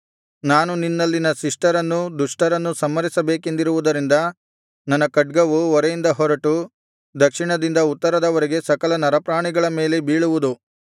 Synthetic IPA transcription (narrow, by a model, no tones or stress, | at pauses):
naːnuninːɐlːinɐsiʂʈɐɾɐnːud̪uʂʈɐɾɐnːusɐmːɐɾisɐbe̞ːke̞nd̪iɾuʋud̪ɐɾind̪ɐ | nɐnːɐkɐɖ̚ɡɐʋuɔɾejind̪ɐɦɔɾɐʈu | d̪ɐkʂiɳɐd̪ind̪ɐut̪ːɐɾɐd̪ɐʋɐɾiɡe̞sɐkɐlɐnɐɾɐpɾaːɳiɡɐɭɐme̞ːle̞biːɭuʋud̪u